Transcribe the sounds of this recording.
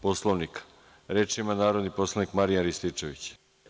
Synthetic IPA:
po̞slˠoʋnikḁ | ɾeːt͡ʃimanaːɾo̞d̪nipo̞slˠoʋnikmaɾijanɾist̪it͡ʂe̞ʋit͡ɕ

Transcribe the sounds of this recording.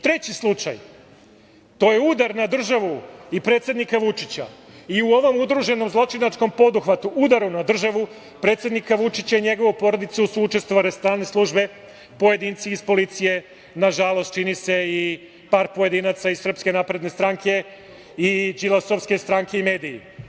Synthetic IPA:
t̪ɾe̞t͡ɕislˠut͡ʃa̰j | t̪o̞je̞ud̪aɾnad̪r̩ʒaʋuipɾe̞ːt̪sje̞d̪nikaʋut͡ʃit͡ɕa̰iuo̞ʋo̞mud̪ɾuʒe̞no̞mzlˠo̞t͡ʃinat͡ʃko̞mpo̞d̪uxʋat̪uʔud̪aɾunad̪r̩ʒaʋu | pɾe̞ːt̪sje̞d̪nikaʋut͡ʃit͡ɕaiɲe̞ɡo̞ʋupo̞ɾo̞d̪it̪susuut͡ʃe̞st̪ʋoʋalist̪ɾaːlˠne̞slˠuʒbe̞ | po̞je̞d̪iːnt̪siːspo̞lit̪sije̞ | naʒalˠo̞st̪̚t͡ʃinise̞i | paːɾpoje̞d̪inat̪saizsr̩pske̞napɾe̞d̪ne̞st̪ɾaŋkʰe̞ | id͡ʒilˠaso̞ʋfske̞st̪ɾaŋkeime̞ːd̪ijḭ

